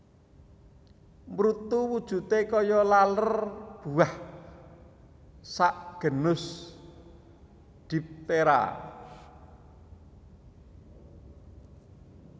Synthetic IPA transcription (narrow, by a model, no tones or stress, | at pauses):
mɾut̪uwud̥ʒ̥ṳt̪ekɔjɔlalərb̥uah | saʔɡ̥ə̤nʊs | d̪̥i̤p̚t̪eɾa̰